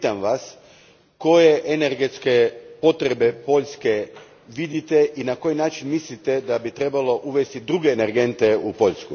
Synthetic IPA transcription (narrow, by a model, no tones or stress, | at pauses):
t̪amʋas | ko̞je̞ʔeneɾɡet̪ske̞po̞t̪ɾe̞be̞po̞ʎʲske̞ | ʋid̪it̪e̞ʔinako̞jinaːt͡ʃinmislit̪ed̪abit̪ɾe̞balo̞ʔuʋest̪id̪ɾuɡe̞ːneɾɡe̞nt̪eupo̞ʎʲsku